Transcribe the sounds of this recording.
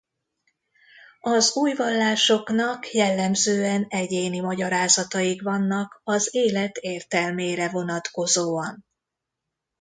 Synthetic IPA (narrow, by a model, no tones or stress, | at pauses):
ɒzuːjvɒlːaːʃo̞knɒkjɛlːɛmzøːɛnɛɟeːnimɒɟɒɾaːzɒt̪ɒjikvɒnːɒkɒzeːlɛt̪eːrt̪ɛlmeːɾɛvo̞nɒt̪ko̞zoːɒn